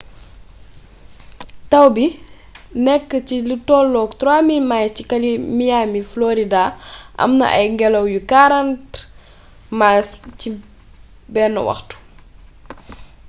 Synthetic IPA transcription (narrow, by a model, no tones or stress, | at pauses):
tɐwbi | nɛkːəcilitɔːlːɔːktɾaːmilmajcikɐlimijaːmiflɔːɾidaʔɐ̰mnɐ̰ʔɐ̰jŋɡɛlɐwjukaɾant | masci | bɛːnːɐ̰wɐ̰xtu̥